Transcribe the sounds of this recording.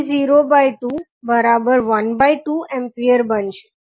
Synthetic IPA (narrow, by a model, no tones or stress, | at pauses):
ziɾobaiʈu | bəɾabəɾʋənbaiʈuɛ̃mpiəɾbənʃe̥